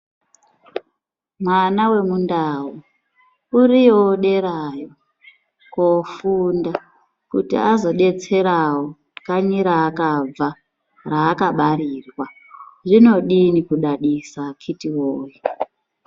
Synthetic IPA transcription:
mwanawe̞mundawu | urijoɗe̞ɾajo | kofunda | kṵtḭazo̞ɗe̞t͡se̞ɾawo | kaɲiɾaːkab͡va | raːkaɓaɾirwa | ʐino̞ɗinikuɗaɗisakʰitiwoːji

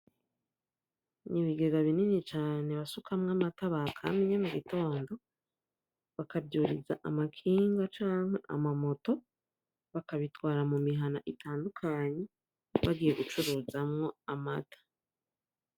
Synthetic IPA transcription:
niβiɡe̞ɡaβininit͡ʃaːne̞βasukʰamŋamataβakʰa̰miɲemuɡito̞ːndo̞ | βakabɟuːɾiza̰ʔamakʰiːŋɡat͡ʃaːŋhe̞ʔa̰mamo̞to̞ | βakaβitwaːɾamumiɦanaʔitaːndukʰaɲe̞ | βaɡiːje̞ɡut͡ʃuɾuːzamŋo̞amatʰḁ

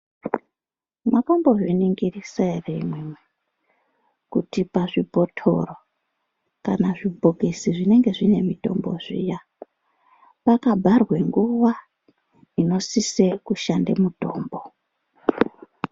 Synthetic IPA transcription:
makombo̞ʐiniŋɡirisaremwemwe | kutipaʐipo̞tʰo̞̰ro | kanaʐibʱoɡʱesiʐine̞ŋɡe̞ʐine̞mito̞̰mbo̞̰ʐḭja | pakabʱarwe̞ŋɡuʋa | ino̞sisekuʃandḛmudʱo̞ːmbo

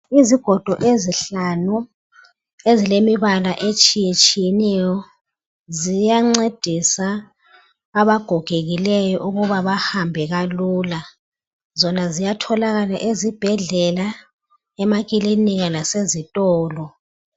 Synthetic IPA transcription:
iziɡ̥ʱɔd̥ʱɔʔeziɬanu | ezilemiβalaʔet͡ʃʼijet͡ʃʼijɛnɛjɔ | zijaŋ͡ǀed̥ʱisaː | βaɡ̥ʱɔɡ̥ʱeɣilɛjɔʔuɣuβaβahambʱɛɣaluːla | zɔnazijatʰɔlaɣalaʔezib̥ʱɛɮɛla | ɛmaɣ̬ʼiliniɣalasezitʼɔːlɔ

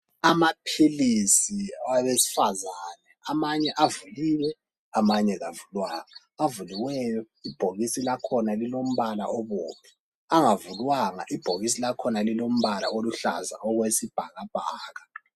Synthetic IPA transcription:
amapʰilisiaβesi̥fazaːnɛamaɲɛʔavuliːwɛ | amaɲɛɣavulwaŋaː | vuliwɛjɔ | ib̥ʱoɣisilakʰɔnalilom̩βala̰ʔɔβɔ̰ːmʰɛ̥ | aŋavulwaŋa̰ʔib̥ʱoɣis̬ilakʰɔnalilom̩βala̰oluɬa̰za̰ɔɣwesib̥ʱaɣab̥ʱaːɣa

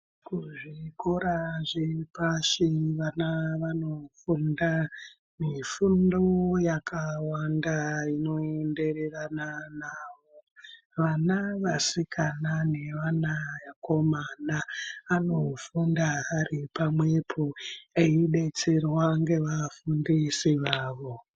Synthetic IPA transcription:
kuʐikoɾaʐepaʃiʋanaʋano̞funda | mifundojakʰawandaino̞ende̞rerananaːʋoo | ʋanaʋasikʰanane̞ʋanajako̞manaano̞fundaaripamwe̞pʰoeiɗe̞t͡se̞rwaŋɡe̞ʋafundisiʋaːʋo̞

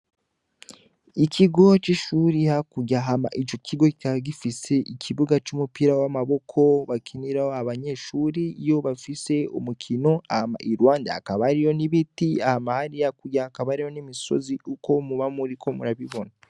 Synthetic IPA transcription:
ikʰiɡo̞t͡ʃiʃuːɾihakuɟaɦama̰ʔit͡ʃo̞kʰiɡo̞kikaɡifise̞ʔikʰiβuɡat͡ʃumupiɾawamaβo̞kʰo̞βakʰiniɾahohaβaɲe̞ʃuːɾiijo̞βafise̞ṵmukʰino̞ahama̰ʔiɾwaːnda̰ːkaβaɾijo̞niβitiahamahaɾijakuɟaːkaβaɾijo̞nimiso̞̰ziʔuko̞muβamuɾikʰo̞muɾaβiβo̞na

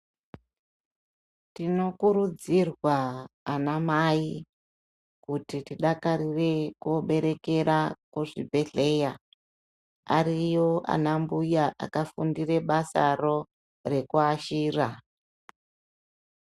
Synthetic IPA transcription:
tino̞kuɾud͡zirwaːnamai | kutitiɗakaɾire̞kuoɓe̞ɾe̞ke̞ɾakuʐibʱe̞ɮe̞ja | a̰ɾijo̞ʔa̰nambujaʔa̰kafundire̞ɓasa̰ro̞ | re̞kuaʃiːra

